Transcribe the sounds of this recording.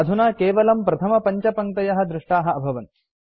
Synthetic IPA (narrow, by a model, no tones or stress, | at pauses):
ɐd̪ʱunaːkeːʋɐlɐmpɾɐt̪ʰɐmɐpɐɲt͡ʃɐpɐŋt̪ɐjɐɦɐ̆d̪ɾɪʂʈaːɦɐ̆ɐbʱɐʋɐni̥